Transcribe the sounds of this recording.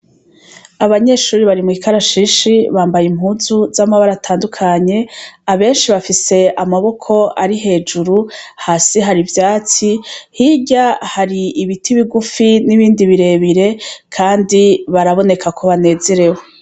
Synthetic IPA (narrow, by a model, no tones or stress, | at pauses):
aβaɲe̞ʃuːɾiβaɾimwiːkaɾaʃiʃiβaːmbajim̥huːzuzamaβaɾatʰaːndukʰaɲe̞aβe̞ːnʃiβafise̞amaβo̞kʰo̞aɾiɦe̞ːd͡ʒuɾuhaːsiɦaɾivjaːt͡sihiɟahaɾiːβitiβiɡufiniβiːndiβiɾe̞ːβiɾe̞kʰaːndiβaɾaβo̞ne̞kʰakʰo̞βane̞ːze̞ɾe̞ho